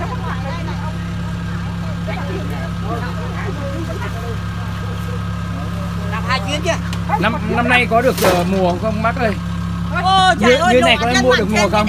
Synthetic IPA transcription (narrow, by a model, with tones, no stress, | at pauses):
aː˨˩aː˧˩t͡ɕwi˨˦ənt͡ɕə˧˩ | na˧mna˧mna˧jkɔ˨˦ɗɨ˨˩ək̚ʔəː˨˩mu˨˩ə˧xə˧wŋ͡mmaː˦˥k̚ɗə˧˩j | ɲ˧ɨ˧˦na˨˩jkɔ˨˦ə˧mu˧əɗɨ˨˩ək̚mu˨˩əkə˧wŋ͡m